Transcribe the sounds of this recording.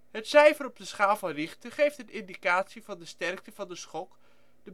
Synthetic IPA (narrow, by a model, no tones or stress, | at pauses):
ɦətsɛjvərɔp̚dəsχaːlˠvɑnrɪχtəχejftətɪndikaːtsivɑndəstɛrk̚təvɑndəsχɔk | d̥ə